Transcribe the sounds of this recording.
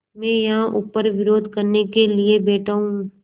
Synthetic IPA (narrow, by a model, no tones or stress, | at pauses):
mɛ̃ːjɐɦãʔuːpəɾʋɪɾoːd̪ʱkɐɾnekeliebɛːʈʰaːũː